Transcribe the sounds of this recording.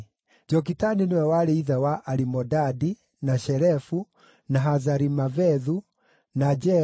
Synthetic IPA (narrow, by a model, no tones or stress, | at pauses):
d͡ʒɔk̬itaniniwɛwaɾeiðawaʔaɾimɔdadi | naʃɛɾɛfu | naɦazaɾimavɛðu | nad͡ʒɛ